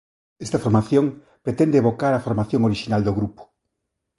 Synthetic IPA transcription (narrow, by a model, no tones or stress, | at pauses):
ɛst̪ɐfoɾmaθjoŋ | pɾet̪ɛnd̪eβokaɾafoɾmaθjoŋoɾiʃinald̪oɣɾupo̥